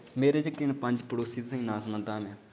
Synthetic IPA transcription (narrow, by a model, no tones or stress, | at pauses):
meːɾeːd͡ʒəkːenpə̃ɲd͡ʒpəɽoːsiːt̪ʊsĩːnaːsmə̃d̪ãːmẽː